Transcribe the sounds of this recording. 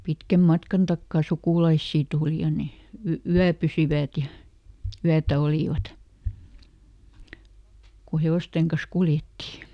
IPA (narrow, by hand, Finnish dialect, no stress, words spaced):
pitkæm mɑtkɑn tɑkːɑˑ sukuˑlɑisːiː tuːli jɑ ne y yæpysiʋæˑt jɑ yætæ oliˑʋɑt ku heoˑsteŋ kɑs kuljetːi